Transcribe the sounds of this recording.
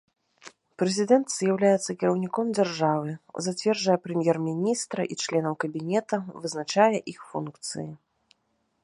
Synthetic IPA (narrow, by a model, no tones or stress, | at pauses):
pɾɛzʲid̪ɛnt̪z̥jawlʲajɛt̪sːɐkʲiɾɐwnʲikɔmd͡zʲarʐavɨzat͡sʲvʲɛrd͡ʐɐjɛpɾɛmʲjɛrmʲinʲist̪ɾɐʔit͡ʂlʲɛnɐwkɐbʲinʲɛt̪ɐvɨznat͡ʂajɛʔixfunkt̪sɨ̰ji